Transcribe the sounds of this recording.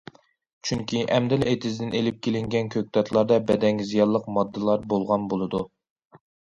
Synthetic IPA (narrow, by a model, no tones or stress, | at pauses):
t͡ʃʰyŋkʲʰiʔɛmd̪ɪlet̪ʰɪzd̪ɪnelɪp̚kʲʰelɪŋɡʲɛnkʲʰøk̚ʲt̪ʰɑt̪ʰlˠɑɾd̪ɑbɛd̪ɛŋʲzijɑlˠːəqmɑd̪ːɨlˠɑɾbolˠʁɑnbolˠɨd̪u